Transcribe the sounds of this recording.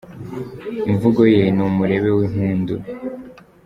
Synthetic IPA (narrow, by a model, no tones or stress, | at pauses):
iɱvuɡo̞jenumuɾe̞βe̞wiɦuːndu